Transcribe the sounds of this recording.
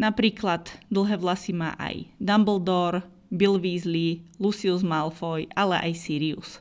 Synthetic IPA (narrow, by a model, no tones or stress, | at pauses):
napɾiːklad̪d̪l̩ˠɦɛːʋlasima̰ːʔa̰jd̪ambl̩d̪ɔɾ | bilʋiːzlilusiuzmalfɔjalɛʔa̰jsiːɾiṵs